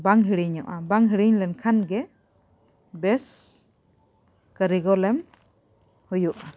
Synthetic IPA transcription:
baŋɦiɾiɲɔʔabaŋɦiɾiɲlɛnkʰanɡɛ | bɛs | kəɾiɡɔlɛm | hujuʔa

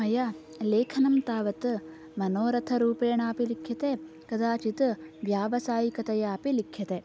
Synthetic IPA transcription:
ɐjɐ | leːkʰɐnɐmt̪aːʋɐt̪ | mɐnoːɾɐt̪ʰɐɾuːpeːɳaːpilikʰjɐt̪e | kɐd̪aːt͡ʃit̪ʋjaːʋɐsaːjikɐt̪ɐjaːpilikʰːjɐt̪e

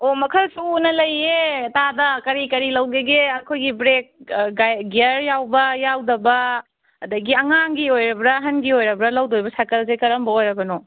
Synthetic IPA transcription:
omɐkʰɐlsuːnɐlɐjːetadɐkɐɾikɐɾilɐwɡeɡeɐkʰojɡibɾek̚ɡajɡeɐɾjawbɐjawdɐbɐː | dɐɡiɐŋaŋɡiojɾɐbɾɐɦɐnɡiojɾɐbɾɐlɐwdojbɐsakɐlzekɐɾɐmbɐojɾɐbɐno

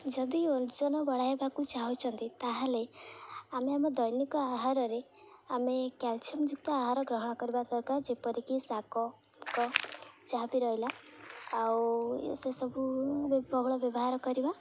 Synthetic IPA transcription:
d͡ʒʌd̪iond͡ʒɔnɔbɔɽajebakut͡ʃaɦut͡ʃʰʌnt̪it̪aɦãleameamɔd̪ʌjnikɔaɦaɾɔɾe | amekalt͡ʃʰimd͡ʒuk̚t̪ɔaɦaɾɔɡɾɔɦɔɽ̃ɔkɔɾibasɔɾkaɾd͡ʒepɔɾikisakɔ | kɔt͡ʃaɦbiɾʌɦilaː | w̰sesɔbubbɔbɭɔbjɔbɔɦaɾɔkɔɾiba

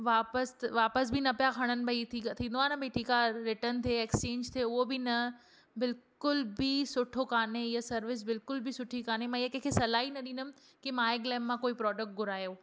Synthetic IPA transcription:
ʋaːpəsʋaːpəsbʱɪnɐpjakʰɐɽ̃ənɪ̆ɐit̪ʰit̪ʰĩːn̆d̪oaːnɐbɐiʈʰiːkaɾɪʈənt̪ʰeeːkst͡ɕẽːɲd͡ʑt̪ʰeʊɦobɪnɐ | bɪlkʊlbisʊʈʰokaːneijasɐɾʋɪs̬bɪlkʊlbɪsʊʈʰikaːnemãɪɐkẽːkʰesɐlaːinɐɗĩːndʊm | kimaːeɡlɛːmːãkoːipɾɔːɖək̚ʈ̚ɡʱʊɾaːjoː

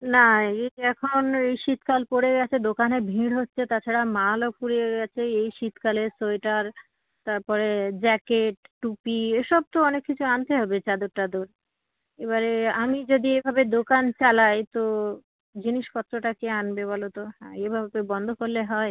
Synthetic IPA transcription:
naeɛkʰonejʃit̪kalpoɽeɡɛt͡ɕʰed̪okanebʱĩɽɦotːɕʰet̪at͡ɕʰaɽamalopuɾeɡɛt͡ɕʰeejʃit̪kalesoeʈaɾ | t̪aɾpɔɾed͡ʑɛkeʈʈupieʃɔb̚t̪oɔnekːit͡ɕʰuant̪eɦɔbet͡ɕad̪oɾʈad̪oɾ | eβaɾeamid͡ʑod̪iebʱabed̪okant͡ɕalajt̪o | d͡ʑiniʃkɔt̪ːɾoʈakeanbeβolot̪oɦɛ̰̃ebʱabebɔnd̪ʱokoɾleɦɔe

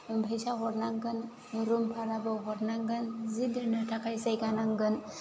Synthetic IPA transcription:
bʱəjsaɦɔɾnaŋɡən | ɾumpʰaɾabəwɦɔɾnaŋɡənzid̪əɾnəʈʰakʰajsajɡanaŋɡən

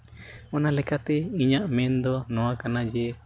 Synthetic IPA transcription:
ɔnalɛkat̪ɛiɲaʔmɛnd̪ɔnɔ̃wakanad͡ʒɛ

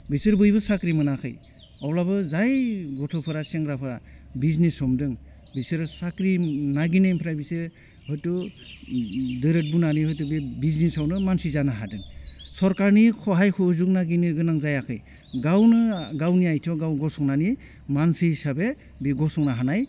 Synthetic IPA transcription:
bisɯɾbɯjbɯsakɾimɯnakʰɯ̰j | ɔwlabɯzajɡɔtʰɔpʰɯɾaseŋɡɾapʰɯɾabiznesɔmdɯŋ | bisɯɾsakɾinaɡinajmpʰɾajbisɯ | hɔjtɔ | dɯɾɯt̚bunanihɔjtɔbebiznisawnɯmansizanaɦadɯŋsɔɾkaɾnikʰɔɦajkʰɔzuknaɡinɯɡɯnaŋzajakʰɯj | ɡawnɯɡawniajtʰɔɡawɡɔsɔŋnani | mansisabe | biɡɔsɔŋnaɦanaj

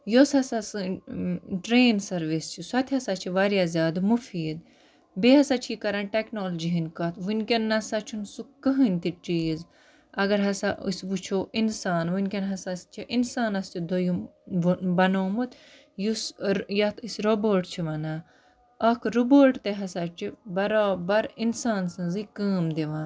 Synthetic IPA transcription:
josɐsasɨ | ʈɾeːnsɐɾʋist͡ʃʰisɐt̪ʲʰiɐsaːt͡ʃʰiʋaɾjaːzʲaːd̪mufiːd̪ | beɦɐsat͡ʃʰikɐɾɐnʈeknoːld͡ʒiɦinkɐt̪ʰʋunkʲɐnːɐsat͡ʃʰunsukɨɦɨnʲt̪iʈiːz | ɐɡɐɾɦɐsaʔṵsʋut͡ʃʰoːʔinsaːnʋunkʲɐnɦɐsast͡ʃʰiʔinsaːnɐst͡ʃʰid̪ojuʋbɐnoːmut̪ | jusjɐt̪isɾoboːʈt͡ʃʰiʋɐnaː | ɐkʰɾuboːɾʈt̪eɦɐsaːt͡ʃʰibɐɾaːbɐɾinsaːnsɨ̃zikəːmd̪eʋãːn

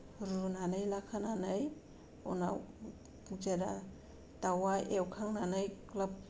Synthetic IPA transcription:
ɾunanajlakʰananaj | ɔ̰na̰w | ud͡ʒaɾa | tawaʔewkʰaŋnanajklap̚

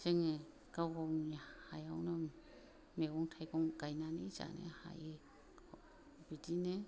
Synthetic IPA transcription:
zeŋe | ɡ̥awɡawnihajawnɯ | meɔŋtʰajɡɔŋɡ̥ajnaneza̰nḛha̰je | bidine

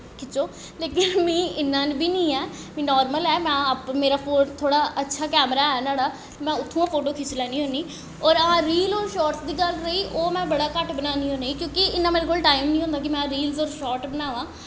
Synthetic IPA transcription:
kʰɪt͡ʃoː | leːkɪnmĩːɪnːãːnbʱiːnĩːɛː | mĩːnɔːɾməlɛːmɛ̃ːəpmeːɾaːfʰoːnt̪ʰoːɽaːətːʃʰaːkɛːmɾaːɛːnaːɽaː | t̪mɛ̃ːʊt̪ʰːũːãːpʰoːʈoːkʰɪt͡ʃlɛːniːɦõːniː | ɔːɾãːɾiːlɔːɾʃɔːʈsd̪iːɡəlɾəiːʔoːmɛ̃ːbəɽaːkəʈbənaːniːɦõːneiːkjõːkɪɪnːãːmeːɾekoːlʈaːɪmnĩːõːnd̪aːk̬ɪmɛ̃ːɾiːlzɔːɾʃɔːʈbənaːʋãː

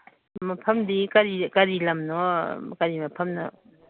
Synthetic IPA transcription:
mɐpʰɐmdikɐɾikɐɾilɐmnɔkɐɾimɐpʰɐmnɔ̰

